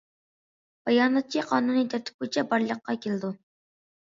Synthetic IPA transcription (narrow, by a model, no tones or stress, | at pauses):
b̥ɑjɑːnɑt̪̚t͡ʃʰiqʰɑːnunit̪ʰæɾt̪ʰɪ̥p̚kʰujt͡ʃʰɛbɑɾlˠəqːɑkʲʰelɪd̪u